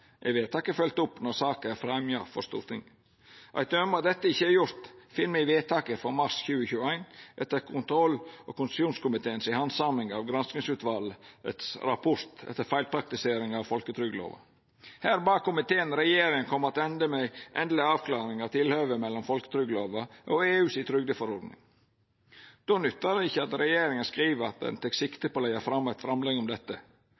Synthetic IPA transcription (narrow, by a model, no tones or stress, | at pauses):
ʔɛ̰ʋeːt̪ʰɑːkəfœlt̪ʊpːnɔɾsɑːkəæfɾɛmjɑfɔst̪ṵːɾt̪ʰɪŋ | ʔɑ̰ɪt̪ømɑt̪d̪ɛt̪ːəɪçːəæɾjʊɾt̪fɪnmɛʋeːt̪ʰɑːkəfɔɾmɑɾsçʉːəçʉːæɪnʔɛt̪ːəɾkʰʊnt̪ʰɾɔlʔo̰ːkʰʊnsuːnskʊmɪt̪ʰeːənsɪhɑnsɑmɪŋɑʋɡɾɑnsnɪŋsʉːt̪ʋɑlə̰t̪sɾɑpʰʊɾt̪ɛ̰t̪ːəɾfæɪlpʰɾɑk̚t̪ɪseːɾɪŋɑʋfɔlkət̪ʰɾʏɡlo̰ːʋə̰ | hæːɾbɑːk̚kʰːʊmɪt̪ʰeːənɾɛjeːɾɪŋənkʰɔmːəɾɑt̪ɛnd̪əmɛʔɛnd̪lɪɑːʋkʰlɑːɾɪŋɑt̪ʰɪlhøːʋəmɛlːɔmfɔlkə̥t̪ʰɾʏɡəloːʋɑʔɔeːʉːsɪt̪ʰɾʏɡd̪əfɔɾɔɾd̪nɪ̰ŋ | d̪̥oːnʉt̪ːɑdəɪçːəɑt̪ɾɛjeːɾɪŋənskɾiːʋəɑt̪̚d̪ɛ̰nt̪ʰɛksɪkt̪əpɔlɛɪəfɾɑmːɛt̪fɾɑmlɛɡɔmd̪ɛt̪ːə